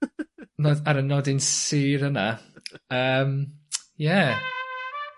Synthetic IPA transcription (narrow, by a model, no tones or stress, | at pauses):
nɔdaɾənɔdɪnsiːɾəna̰əːmjɛ